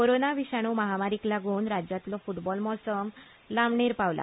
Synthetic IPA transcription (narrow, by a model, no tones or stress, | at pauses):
koɾonaʋiɕaɽ̃uməɦamaɾiklaɡʱoːnɾad͡ʑjat̪lɔfuʈbɔlmɔsəm | lamɳeɾpaʋla̰